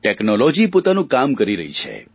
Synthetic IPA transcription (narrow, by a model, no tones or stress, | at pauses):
ʈeknɔlɔd͡ʒipot̪anũkamkəɾiɾə̰ɦḭt͡ʃʰḛ